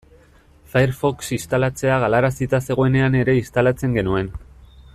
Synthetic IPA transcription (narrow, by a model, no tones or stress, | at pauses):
fajɾfo̞ksist̪alat͡se̞aɣ̞alaɾasit̪ase̞ɣ̞o̞ene̞ane̞ɾe̞ist̪alat͡se̞ŋɡe̞nue̞n